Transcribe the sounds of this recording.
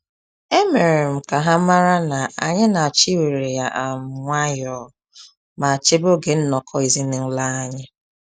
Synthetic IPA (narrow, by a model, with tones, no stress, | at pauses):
e˦me˨ɾe˨m̩˨ka˨ɦa˦ma˦ɾa˦na˨a̰˨ɲɪ˦na˨a˨t͡ʃi˦we˨ɾe˨ja˨ʔa˨m̩˨˦ŋʷa˦jɔː˨ | ma˨a˨t͡ʃe˦bo˦ɡe˨n̩˦nɔ˨kʰɔ˦i˨zi˦nɪ˦n̩˦la˦a˦ɲɪ˦